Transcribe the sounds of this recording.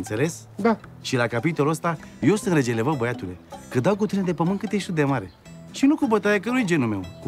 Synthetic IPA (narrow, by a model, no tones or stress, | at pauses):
t̪se̞le̞s | d̪aʃilakapit̪o̞luəst̪a | jewst̪ənɾed͡ʒelevəbəjat̪ule̞̰kɨd̪awkut̪ined̪e̞pəmɨnt̪kɨt̪jeʃt̪ʲud̪e̞maɾe̞̰ | ʃinukubət̪aɾakəɾujed͡ʒe̞nume̞̰w